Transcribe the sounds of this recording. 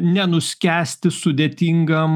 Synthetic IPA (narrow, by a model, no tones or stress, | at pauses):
nʲɛnʊsʲkʲæːsʲt̪ʲɪsʊd̪ʲeːt̪ʲiŋɡɐm